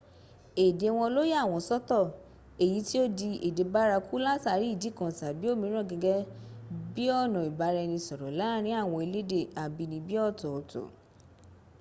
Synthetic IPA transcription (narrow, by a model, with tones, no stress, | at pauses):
e˨de˨w̃ɔ̃˧lo˦ja˦˨w̃ɔ̃˧˨sɔ˦tɔ˦˨ | e˨ji˨˦ti˦o˦di˧ʔe˨de˨ba˦ɾa˧ku˦la˦sa˦˨ɾi˨˦i˦˨di˨˦kɔ̃˨sa˨bi˦o˦˨mĩ˧˦ɾ̃ɔ̃˦˨ɡɛ˧ɡɛ˦bi˦ɔ˦˨nɔ̃˨i˨ba˨˧˦ɾɛ˧nĩ˧sɔ˨ɾɔ˨la˦ɾ̃ĩ˦a˦˨w̃ɔ̃˧e˧le˦de˦˨a˨bi˧nĩ˧bi˦ɔ˦˨tɔ˨to̰˨